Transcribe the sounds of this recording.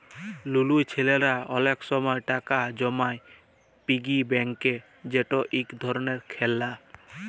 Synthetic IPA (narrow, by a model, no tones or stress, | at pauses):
lulujt͡ɕʰeleɾaɔleksɔmɔeʈakad͡ʒɔmaj | piɡibɛŋke | d͡ʑeʈɔʔikd̪ʱɔɾɔneɾkʰelːa